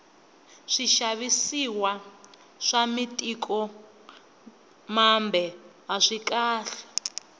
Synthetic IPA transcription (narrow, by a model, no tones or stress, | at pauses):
ʂiʃaβisiwa | ʂamitʼikʰʼɔ | mambʱɛɦaʂikʼaːɬɛ̥